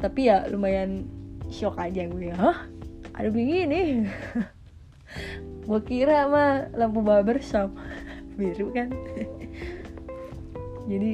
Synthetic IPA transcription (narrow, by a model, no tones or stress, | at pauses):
t̪apijalumajanʃokad͡ʒaɡuajaɦəhʔa̰dupiŋinɪh | ɡuakiɾamalampubawabərsambiɾukan | d͡ʒadi